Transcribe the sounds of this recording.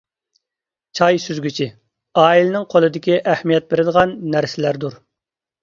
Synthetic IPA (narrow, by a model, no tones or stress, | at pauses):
t͡ʃʰɑjsyzɡʲyt͡ʃʰi | ɑːilɪnɪŋqʰolˠɨd̪ɪkʲiʔæhmijɛt̪̚beɾɪd̪əʁɑnːæɾsɪlæɾd̪uɾ